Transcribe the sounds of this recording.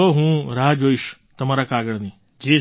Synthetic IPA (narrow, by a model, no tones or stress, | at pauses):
oɦũɾaɦd͡ʒoiʃ | t̪əmaɾakaɡəɽni | d͡ʒe